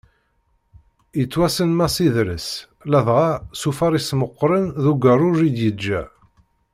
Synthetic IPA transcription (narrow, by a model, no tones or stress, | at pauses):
jət͡sːwæsənmæsiðɾəs | læðʁasufɑɾˤisməqːɾənðuɡərˤʊʒid̪jəd͡ʒːæ